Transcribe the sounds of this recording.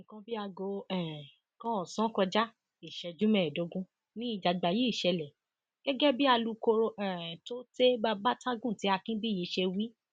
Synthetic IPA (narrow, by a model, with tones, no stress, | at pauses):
nĩ˨kã˧bi˦a˧ɡo˧ɛ˦˨ | kɔ̃˦ɔ˨sɔ̃˦kɔ˧d͡ʒa˦ | i˨ʃɛ˧d͡ʒu˦mɛ̃˦˨do˨˦ɡũ˦ | nĩ˦i˦˨d͡ʒa˧ɡ͡ba˧ji˦i˦˨ʃɛ˧lɛ˨ | ɡ̥ɛ˦ɡɛ˦bi˦a˧lu˧ko˧ɾo˧ɛ˦˨to˦te˦ba˧ba˦tã˦ɡũ˦˨ti˨˦a˧kĩ˦bi˦˨je˨˧ʃe˧wi˦